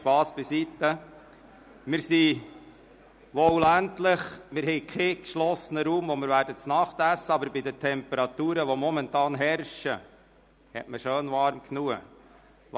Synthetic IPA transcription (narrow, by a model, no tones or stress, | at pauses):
ʃpɑːsb̥ɪsit̪ːə | mɪɾsi | ʋɔwlæntləχmɪɾɦɛɪkʰekʃlɔsːənəɾuːmɔmɪɾʋæːɾdət͡snɑχt̪æsːəɑbəɾbid̪ətʰɛmpəɾɑt̪uːɾəʋɔmɔmɛntɑːnɦɛɾʃə | hɛ̰tməʃøːnʋɑɾmkʰnuə